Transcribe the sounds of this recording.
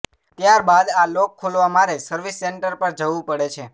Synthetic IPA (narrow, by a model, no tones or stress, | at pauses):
t̪jaɾbad̪alokʰːolʋamaɾesəɾʋisːeɳʈəɾpəɾd͡ʒəʋũpəɽet͡ʃʰe